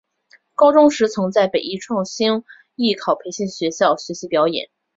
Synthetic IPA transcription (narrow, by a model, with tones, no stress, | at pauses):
kɑ˥ʊʈ͡ʂʊ˥ŋʂɻ̩˧˥t͡sʰɤ˧˥ŋt͡sa˥˩ɪpe˨˩ɪi˥˧ʈ͡ʂʰwɑ˥˩ŋɕi˥n | i˥˩kʰɑ˨˩ʊpʰe˧˥ɪɕi˥˩nɕɥɛ˧˥ɕjɑ˥˩ʊɕɥɛ˧˥ɕi˧˥pjɑ˧˥ʊjɛ̰˨˩˦n